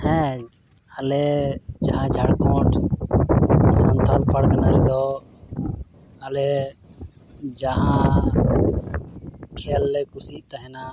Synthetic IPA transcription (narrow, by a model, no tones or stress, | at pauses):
hɛ̃ | əled͡ʒəɦãd͡ʒʱaɽkɔ̃ʈʰ | sənt̪ʰalkʰaɽkənaɾid̪ɔ | əle | d͡ʒaɦã | kʰelːɛkʊsit̪əɦɛna